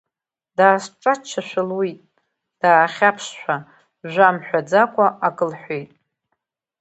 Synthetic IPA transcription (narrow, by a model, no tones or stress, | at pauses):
d̥aːsʈ͡ʂʼat͡ʃʰaʃʷᶣalwitʼ | d̥aːχʲapʰʃʃʷᶣa | ʒʷamħʷᶣad͡zakʷʼaʔakʼɨlħʷejtʼ